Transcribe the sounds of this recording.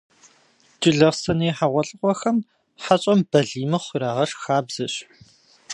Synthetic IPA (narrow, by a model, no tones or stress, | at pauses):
t͡ʃʼɪɮɐʁsɐnɐjːħaʁʷɔɬʼɨqʷʼɔxɐm | ħat͡ɕʼɐmbɐɮiːmɨχʷiɾaːʁɐʂxaːbz̥ɐɕ